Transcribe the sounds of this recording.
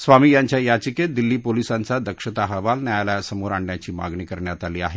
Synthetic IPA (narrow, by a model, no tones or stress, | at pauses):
sʋamiːjaɲt͡ɕjajat͡ɕiked̪ilːiːpolisant͡sad̪əkʂət̪aɦəʋalnjajljasəmoɾaɳɖjat͡ɕiːma̰ɡɳiːkəɾɳjat̪aliːaɦe